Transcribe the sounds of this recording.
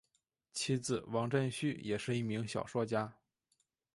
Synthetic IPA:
t͡ɕʰi˥d͡zɹ̩˨˩wɑ˧˥ŋʈ͡ʂə˥˧nɕy˥˩jɛ˨˩ʂɻ̩˥˧i˥˩mi˧˥ŋɕjɑ˨˩ʊʂwɔ˥˧t͡ɕja˥

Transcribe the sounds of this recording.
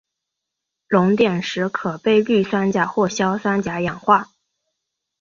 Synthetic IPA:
lʊ˧˥ŋt̪jɛ˨˩nʂɻ̩˧˥kʰɤ˨˩pe˥˧ɪy˥˩swa˥nt͡ɕja˨˩xwɔ˥˩ɕjɑ˥ʊswa˥nt͡ɕja˧˥jɑ˨˩ŋxwa˥˩

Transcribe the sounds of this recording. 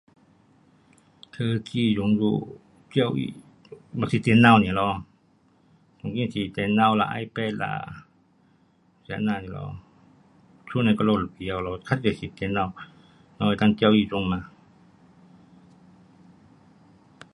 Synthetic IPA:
t̪ʰəː˧˨kiː˧˩zu˨˦ŋjuː˧ | ki˧˨wʔḭ˧˨ | bɔ˧˨si˧t̪e˨˦nːa˧˨wni˧˨lɔ˧ | ko˨˦ŋki˧˨nsi˧˦t̪ɛ˨˦nːa˧˨wla̰˧ʔa̰˧jpɛː˧la̰˧ | sɛ˧˦naː˧˨ni˧˨lɔ̰˧˨ | sʰu˧˨na˧˨kɔ˧lo˧˨la˧˨pi˧˦a˧wlɔ˧kʰa˧˥˨a˨si˧˦t̪e˨˧˦nːa˧˨w | nɔ˧˨˧t̪ʰa˧ŋki˧˨wʔiː˧˨so˧˦ŋmaː˧˨

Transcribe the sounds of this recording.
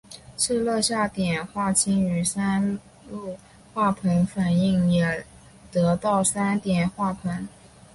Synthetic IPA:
ʂʰɻ̩˥˧lɤ˥˧ɕja˥˩t̪jɛ˨˩nxwa˥˩t͡ɕʰi˥ny˧˥sa˥n | lu˥˩˧ | xwa˥˩pʰə˧˥ŋfa˨˩ni˥˩ŋjɛ˨˩ | t̪ɤ˧˥t̪ɑ˥˩ʊsa˥nt̪jɛ˨˩nxwa˥˩pʰə˧˥ŋ

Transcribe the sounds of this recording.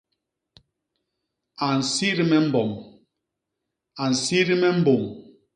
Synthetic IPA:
a˨n̩˨si˦ɾi˦mɛ˦m̩˦bɔ˨m | a˨n̩˨si˦ɾi˦mɛ˦m̩˦bo˨m

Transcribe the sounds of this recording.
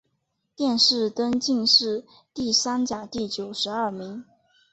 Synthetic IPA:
t̪jɛ˥˧nʂɻ̩˥˩t̪ə˥nt͡ɕi˥˧ŋʂɻ̩˥˧ | t̪i˥˩sa˥nt͡ɕja˨˩t̪i˥˩t͡ɕjo˨˩ʊʂɻ̩˧˥ɐ˞˥˩mi˧˥ŋ

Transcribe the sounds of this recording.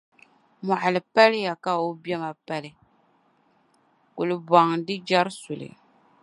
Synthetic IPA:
mɔ˨ʔa˨lɨ˨pa˦lɪ˦ja˨ka˦o˦bjɛ˦ma˨pa˦lɪ˦ | kʊ˨lɪ˨ba˨ŋ˨dɨ˦d͡ʒa˦ɾsʊ˨lɨ̰˨

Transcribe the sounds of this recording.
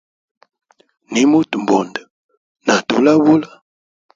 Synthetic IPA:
ni˨˦mu˦tm˨bɔ˨ndə˨ | na˨tṵ˨˦la˦wo˦la˦

